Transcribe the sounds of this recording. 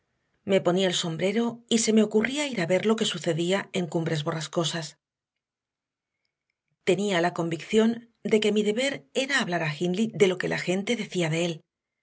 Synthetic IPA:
me̞po̞niaelso̞mbɾe̞ɾo̞ise̞me̞o̞kuriaiɾaβe̞ɾlo̞ke̞suθe̞ðiae̞ŋkumbɾe̞zβo̞rasko̞sas | t̪e̞nialako̞mbikθjo̞n | d̪e̞ke̞miðe̞βe̞ɾe̞ɾaːβlaɾaxinliðe̞lo̞ke̞la̰xe̞nt̪e̞ðe̞θiaðe̞e̞l

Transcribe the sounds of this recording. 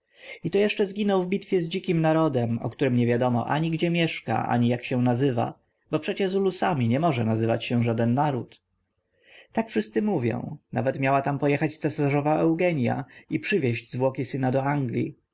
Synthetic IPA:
it̪ɔjɛʂt͡ʂɛzɡʲinɔwvbʲit̪fʲjɛzd͡ʑikʲimnaɾɔd̪ɛmɔ̰kt̪uɾɘmɲɛvʲjad̪ɔmɔ̰ʔa̰ɲiɡd͡ʑɛmʲjɛʂka̰ʔa̰ɲijakɕɛ̃nazɘva̰ | bɔpʂɛt͡ɕɛzulusamʲiɲɛmɔʐɛnazɘva̰t͡ɕɕɛ̃ʐad̪ɛnːaɾut̪ | t̪akfʂɘst̪sɘmuvʲjɔ̰̃w̃na̰vɛt̪mʲjawat̪ampɔjɛxat͡ɕssɛsaʐɔvaɛwɡɛɲja̰ipʂɘvʲjɛʑd͡ʑzvwɔkʲisɘnad̪ɔaŋɡlʲḭ

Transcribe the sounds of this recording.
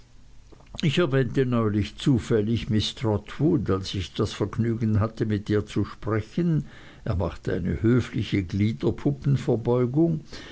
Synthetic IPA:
ɪçɛɐvɛːntənɔʏlɪçt͡suːfɛlɪçmɪstʁɔtʰvudalsɪçd̥asfɛɐɡnyːɡən̩ɦatəmɪtiːɐt͡suʃpʁ̥ɛçən | ʔḛːɐmaχtəa̰ɪnə̰høːflɪçəɡliːdɐpʰʊpn̩fɛɐbɔʏɡʊŋ

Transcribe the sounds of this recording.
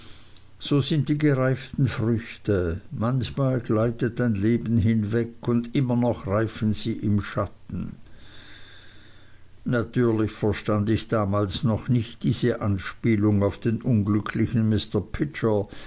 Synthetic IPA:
z̥oːzɪntd̥iːɡəʁaɪftn̩fʁʏçtəmançmaːlɡ̥laɪtət̚d̥aɪnleːbn̩ɦɪnvɛkʊndɪmɐnɔχʁaɪfən̩z̥iːʔɪmʃatn̩ | natʰyːɐlɪçfɛɐʃtandɪçd̥aːmaːlsnɔχnɪçtd̥iːz̥əʔanʃpiːlʊŋaʊfd̥eːnʔʊnɡlʏkʰlɪçənmɪstəpʰɪt͡ʃə

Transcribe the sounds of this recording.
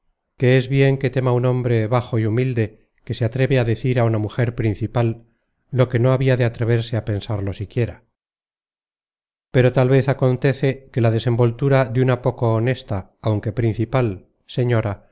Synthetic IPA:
ke̞ezβje̞ŋke̞t̪e̞maunõ̞mbɾe̞βaxo̞iumild̪e̞ | ke̞seat̪ɾe̞βeaðeθiɾaunamuxe̞ɾpɾin̟θipalː | o̞ke̞no̞aβiaðeat̪ɾe̞β̞e̞ɾseape̞nsaɾlo̞sikje̞ɾa | pe̞ɾo̞t̪alβe̞θako̞nt̪e̞θe̞ke̞lað̞e̞se̞mbo̞lt̪uɾaðunapo̞koːne̞st̪aː | wŋke̞pɾin̟θipal | se̞ɲo̞ɾa

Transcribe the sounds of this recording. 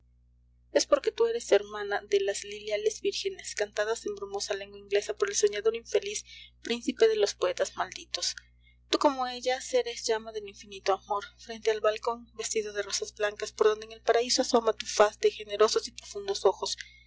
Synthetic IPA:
e̞spo̞ɾke̞t̪ue̞ɾe̞se̞ɾmãnaðe̞laslileale̞zbiɾxe̞ne̞skant̪aðase̞mbɾumo̞sale̞ŋɡwaiŋɡle̞sapo̞ɾe̞lso̞ɲaðo̞ɾiɱfe̞lispɾinsipe̞ðelo̞spoe̞t̪azmald̪it̪o̞s | t̪uko̞moe̞ʝase̞ɾezʝamaðe̞liɱfinit̪oamo̞ɾfɾe̞nt̪ealβalko̞nbe̞st̪iðo̞ðe̞ro̞sazblaŋkaspoɾðo̞nd̪eŋe̞lpaɾaisoaso̞mat̪ufasd̪e̞xe̞ne̞ɾo̞so̞sipɾo̞fund̪o̞so̞xo̞s

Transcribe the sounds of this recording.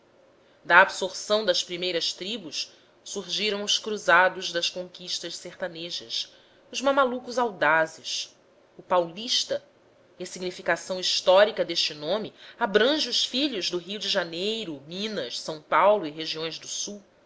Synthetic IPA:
d̪ɐːbsoɾsɐ̃w̃d̪ɐspɾimejɾɐst̪ɾibuʃ | suɾʒiɾɐ̃w̃ʊskɾuzad̪ʊʒd̪ɐskõŋkiʃt̪ɐʃseχt̪aneʒɐs | ʊzmamalukʊzawd̪azɪs | ʊpawliʃt̪ɐ | iɐsiɡnifikasɐ̃w̃iʃt̪ɔɾikɐd̪eʃt͡ʃɪnõmɪabɾɐ̃ʒɪʊʃfiʎʊʒd̪ʊɦiwd͡ʒɪʒanejɾʊmĩnɐʃsɐ̃w̃pawlʊiɦeʒiõj̃zd̪ʊsuw

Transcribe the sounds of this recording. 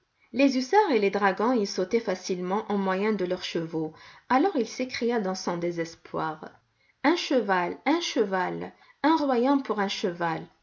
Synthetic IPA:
lezysaʁeled̪ʁaɡɑ̃isot̪ɛfasilmɑ̃ʔɑ̃mwajɛ̃d̪əlœʁʃəvoalɔʁilsekχijad̪ɑ̃sɔ̃d̪ezɛspwaʁ | ɛ̃ʃəvalɛ̃ʃəval | ɛ̃ʁwajɑ̃puʁɛ̃ʃəval

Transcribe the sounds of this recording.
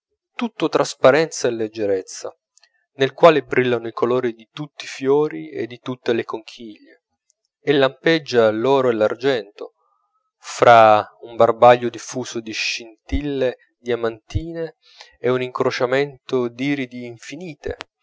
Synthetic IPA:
t̪ut̪ːʊt̪ɾaspaɾɛnt̪saelːed͡ʒːeɾet̪sːa̰ | nelkwaːlebɾilːanʊikʰolɔːɾid̪it̪ut̪ːifjɔːɾiḛd̪ːit̪ut̪ːelekoŋkʰiʎːe | elːampɛd͡ʒːalɔːɾoɛlard͡ʒɛnt̪o | fɾʔaumbarbaʎːod̪ifːuːsʊd̪iʃint̪ilːe | d̪jamant̪iːneː | uniŋkɾot͡ʃament̪od̪iːɾid̪iːɱfiniːt̪ḛ

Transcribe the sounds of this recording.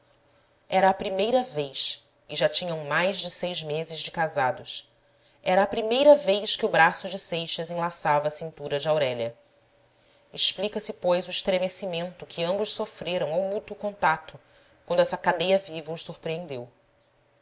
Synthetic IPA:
ɛɾɐːpɾimejɾɐvejs | ɪʒat͡ʃĩɲɐ̃w̃majzd͡ʒɪsejʒmezɪʒd͡ʒɪkazad̪ʊs | ɛɾɐːpɾimejɾɐvejʃkɪʊbɾasʊd͡ʒɪsejʃɐzẽlasavɐːsĩnt̪uɾɐd͡ʒɪawɾɛʎɐ | ɪʃplikɐsɪpojzʊɪʃt̪ɾemesimẽnt̪ʊkʰɪɐ̃mbʊʃsofɾeɾɐ̃w̃awmut̪ukõnt̪at̪ʊ | kwɐ̃nd̪ʊɛsɐkad̪ejɐvivɐuʃsuɾpɾiẽnd̪ew

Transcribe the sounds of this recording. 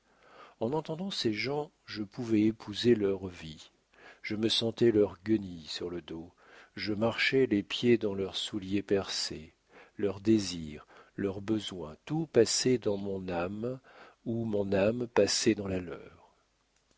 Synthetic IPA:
ɑ̃nɑ̃t̪ɑ̃d̪ɑ̃seʒɑ̃ | ʒəpuvɛepʰuzelœʁvi | ʒ̥əməsɑ̃t̪ɛlœʁɡənisyʁləd̪o | ʒəmaʁʃɛlepjed̪ɑ̃lœʁsuljepɛʁse | lœʁd̪eziʁlœʁbəzwɛ̰̃t̪upasɛd̪ɑ̃mɔ̃nam | umɔ̃nampasɛd̪ɑ̃lalœ̰ːʁ

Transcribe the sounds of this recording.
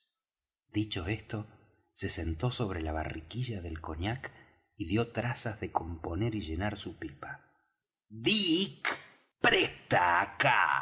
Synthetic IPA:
d̪it͡ʃo̞e̞st̪o̞ | se̞se̞nt̪o̞so̞β̞ɾelaβ̞a̰rikiʒaðe̞lko̞ɲak | iðjo̞t̪ɾasazðeko̞mpo̞ne̞ɾiʒe̞naɾsupipa | ðik | pɾet̪aka̰

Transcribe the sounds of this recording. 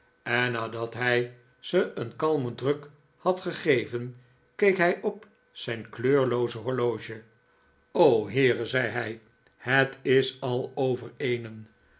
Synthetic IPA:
ɛnːaːdɑt̪ɦɛj | z̥əənkɑlˠmədrɵk | hɑtχəχejvən | kejkɦɛjʔɔp | z̥ɛjnkløːɹlowzəɦɔɹlowʒə | owɦɪːrəzɛjɦɛj | hətɪsɑlˠowvəɹejnən

